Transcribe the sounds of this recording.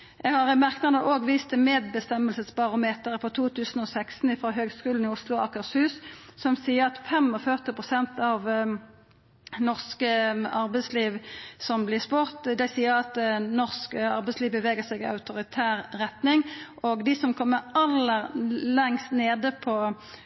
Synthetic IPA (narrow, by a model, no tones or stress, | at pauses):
jæɡhɑʁmæʁknɑnəʔoːɡʋiːst̪əmeːd̪bəst̪ɛmːəlsəsbɑʁʊmeːt̪əʁəpʰɔt̪ʰuːt̪ʰʉːsn̩ɔsækst̪n̩ɪfɾoːɦøːɡskʉːln̩ɪʊslʊɑkəʁshʉːssɔmsiːəʁɑt̪fɛmɔfœʁt̪ɪpʁʊsɛnt̪ɑʋ | nɔʁskəɑʁbɛɪsliːʋsɔmblɪspʊʁt̪d̪ɛɪsiːəɾɑt̪nɔʁskəɑ̰ʁbɛɪsliːʋbəʋeːɡəsɛɡɪɑ̰ʉt̪ʊʁɪt̪ʰæːʁːɛt̪nɪŋʔɔɡd̪ɪsɔmkʰɔmːəɛlːəʁlɛŋst̪neːd̪əpʰɔ